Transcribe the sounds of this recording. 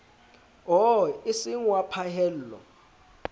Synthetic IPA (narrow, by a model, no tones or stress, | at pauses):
ɦɔisiŋwapʰahɛllɔ̰